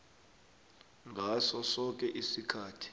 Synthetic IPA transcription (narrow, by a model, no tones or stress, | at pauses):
ŋɡʱasɔsɔk̬ʼɛʔisikʰaːtʰi̥